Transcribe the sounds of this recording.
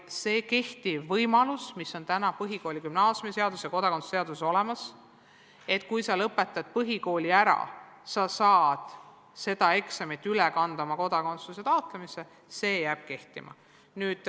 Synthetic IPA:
se̞ːke̞ht̪iːɤjmɑlusmiso̞nt̪ænɑpɤɦiko̞ːlʲikymnɑːsʲjumise̞ɑd̪usjɑko̞d̪ɑko̞nsseɑd̪uso̞lemɑs | e̞t̪kujsɑlɤpːˑe̞t̪ːˑɑd̪̥̚pɤɦiko̞ːlʲiæɾɑ̰ | sɑsɑːd̪̥ | se̞d̪̥ɑe̞ksemet̪ːˑylekɑnd̪̥ɑmɑko̞d̪̥ɑko̞nt̪sluse̞t̪ɑot̪ˑlemise̞ | se̞ːjæːb̥̚ke̞ht̪imɑ̰ | nyːd̪̥

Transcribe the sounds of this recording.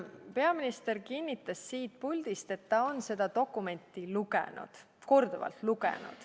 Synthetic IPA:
pe̞ɑminist̪e̞rkinʲːit̪ːˑɑsːiːt̪̚pulʲd̪̥ist̪e̞t̪ːɑo̞nse̞d̪̥ɑt̪o̞kːˑume̞nʲt̪ːˑiluɡḛnṵd̪̥ | ko̞rd̪uvɑ̰lt̪luɡ̥ḛnṵd̪̥

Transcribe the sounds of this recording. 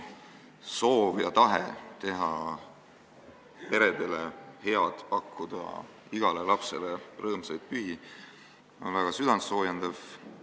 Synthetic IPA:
so̞ːvjɑt̪ɑɦet̪e̞ɦɑ | pe̞ɾe̞d̪̥e̞lehe̞ɑd̪̥pɑkːud̪̥ɑ̰ | iɡ̥ɑle̞lɑpse̞lerɤːmsɑjd̪̥̚pyhi | o̞̰nvæɡ̥ɑsyd̪̥ɑnso̞ːjend̪̥ɑv̥

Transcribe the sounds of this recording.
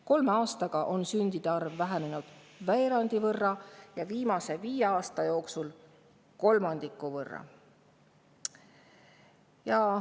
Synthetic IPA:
ko̞lmeɑːst̪ɑɡ̥ɑʔo̞nsynʲd̪̥id̪̥eɑrvːæɦæne̞nud̪̥ | væeɾɑnd̪̥ivɤrːɑjɑviːmɑse̞viːjeɑːst̪ɑjo̞ːksul | ko̞lmɑnd̪̥ikːˑuvɤrːɑ̰ | jɑ

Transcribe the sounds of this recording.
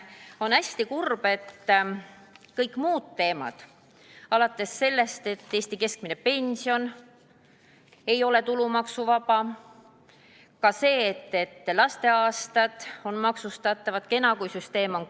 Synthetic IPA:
o̞næsʲt̪ikurb̥e̞t̪ː | kɤjkːˑmuːd̪̥̚t̪e̞ːmɑ̰d̪̥ | ɑlɑt̪ːˑe̞sːe̞lːe̞st̪e̞t̪ːe̞ːsʲt̪ike̞sk̚mine̞pe̞nʲsio̞n | e̞jo̞le̞t̪ulumɑksuvɑb̥ɑ | kɑse̞ːt̪ːe̞t̪ːˑlɑst̪e̞ɑːst̪ɑd̪̥o̞nmɑksust̪ɑt̪ːˑɑvɑd̪̥ke̞nɑɡujsyst̪e̞ːmo̞n

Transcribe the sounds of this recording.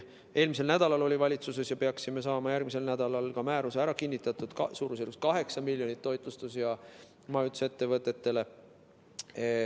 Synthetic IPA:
e̞ːlmis̬e̞lnæd̪ɑlɑlo̞lʲivɑlʲit̪suse̞sjɑpe̞ɑksime̞sɑːmɑjærɡ̥̚mise̞lnæd̪̥ɑlɑlkɑmæːɾuseæɾɑkinʲːit̪ːˑɑt̪ud̪̥ksuːɾused̪ust̪kɑɦe̞ksɑmilʲjonit̪ːo̞jt̪ˑlust̪usjɑ | mɑjut̪se̞t̪ːe̞vɤt̪ːˑe̞t̪ːe̞le̞

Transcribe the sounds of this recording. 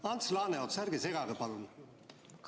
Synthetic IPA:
ɑnt̪slɑːneot̪sæɾɡeseɡɑɡɑpɑlun | k

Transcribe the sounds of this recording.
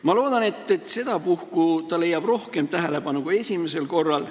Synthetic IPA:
mɑlo̞ːd̪̥ɑne̞t̪ːˑet̪se̞d̪̥ɑpuhkut̪ɑle̞jːɑb̥ro̞hke̞mt̪æɦe̞le̞bɑnukue̞sʲime̞se̞lko̞rːɑl

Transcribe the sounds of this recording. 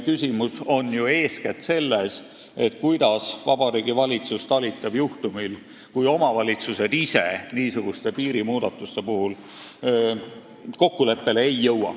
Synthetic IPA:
kysʲimuso̞njue̞ːskæt̪se̞lːes | e̞t̪ːkujd̪̥ɑsvɑbɑɾiːɡ̥ivɑlʲit̪sust̪ɑlit̪ːˑɑb̥juht̪umil | kujo̞mɑvɑlʲit̪suse̞d̪̥ise̞̰niːsuɡ̥ust̪e̞piːɾimuːd̪̥ɑt̪ːˑust̪e̞puɦul | ko̞kːule̞pːe̞leejːɤwɑ̰

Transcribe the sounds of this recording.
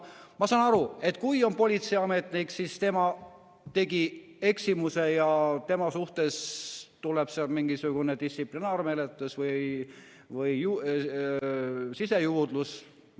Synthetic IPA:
mɑsɑːnɑɾue̞t̪ːˑkujo̞npo̞lʲit̪sejɑme̞t̪ˑniksist̪e̞mɑ | t̪e̞ɡi | e̞ksimuse̞jɑt̪e̞mɑsuht̪e̞st̪uleb̥seɑlmiŋɡisuɡ̥uned̪̥ist̪siplinɑːrme̞let̪lusvɯj | vɯjju | sise̞juːd̪lus

